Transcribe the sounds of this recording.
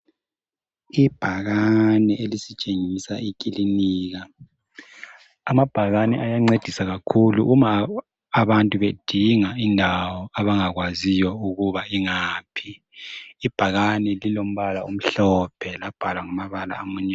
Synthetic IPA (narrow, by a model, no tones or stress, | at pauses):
ib̥ʱaɣanɛelisit͡ʃʼeŋisaikʼiliniːɣa | amab̥ʱaɣanɛʔajaŋ͡ǀed̥ʱisaɣakʰulṵʔumaː | βantʼuβed̥ʱiŋaindʱawɔaβaŋaɣwazijɔuɣuβaiŋaːpʰiː | b̥ʱaɣanɛlilom̩βalaum̩ɬɔpʰɛlab̥ʱalwaŋamaβala̰ːmuɲa